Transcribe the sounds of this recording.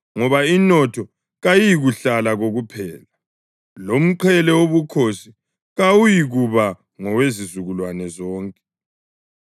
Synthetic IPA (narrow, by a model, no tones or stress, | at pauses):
ŋɔβainɔtʰɔ | ɣajijiɣuɬalaɣoɣupʰɛːla | lom̩ǃʰɛlɛoβukʰosi | ɣawujiɣuβa | ŋɔwezizuɣulwanɛzɔːŋkʼɛ̥